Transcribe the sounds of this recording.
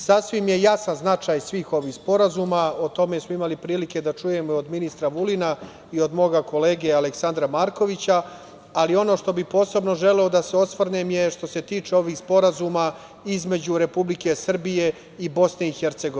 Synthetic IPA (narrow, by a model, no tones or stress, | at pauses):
sasʋimje̞jasanznat͡ʂaːjsʋiːxo̞ʋiːxspo̞ɾazuːmaot̪o̞me̞smoimalipɾiːlike̞d̪at͡ʂuje̞mood̪minist̪ɾaʋulina | io̞d̪moːɡako̞le̞ːɡealeksand̪ɾamaɾko̞ʋit͡ɕaː | lio̞no̞ːʃt̪o̞bipo̞ːse̞bno̞ʒe̞leo̞d̪ase̞o̞sʋrnemje̞ʃt̪o̞se̞t̪iːt͡ʂeo̞ʋiːxspo̞ɾazuːma | izme̞d͡ʑuɾe̞publike̞sr̩bije̞ | ibo̞sne̞ixeɾt̪seɡo